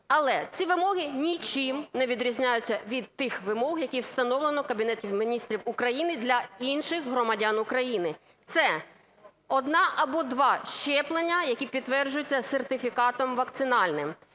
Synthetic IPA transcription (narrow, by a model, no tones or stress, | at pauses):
ɐlˠɛt͡sʲiʋɪmɔɦɪnʲit͡ʃɪmnɛʋʲid̪ɾʲizʲnʲajʊt͡sʲːɐʋʲid̪̚t̪ɪxʋɪmɔɦjɐkʲiwst̪ɐnɔwlˠenɔkɐbʲinɛtʲiwmʲinʲist̪ɾʲiwʊkɾɐjinɪd̪lʲɐinʃɪxɦɾɔmɐdʲanʊkɾɐjinɪ | t̪sɛ | ɔd̪nɑʔɐbɔd̪ʋɑʃt͡ʃɛplˠenʲːɐjɐkʲipʲid̪̚t̪ːʋɛrd͡ʒʊjʊt͡sʲːɐsert̪ɪfʲikɑt̪ɔmʋɐk̚t̪sɪnɑlʲnɪm